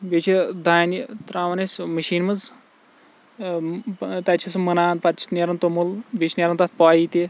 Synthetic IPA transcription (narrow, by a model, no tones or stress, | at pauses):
bet͡ʃʰid̪ʱaːnit̪ɾaːʋɐnesʲmɐʃiːnmɐd͡z | t̪ɐt͡ʃʰismɐnaːnpɐt͡ʃʰi̥t̪nʲeɾɐnt̪omulbʲet͡ʃʰinʲeɾɐnt̪at̪̚ʰpaːit̪i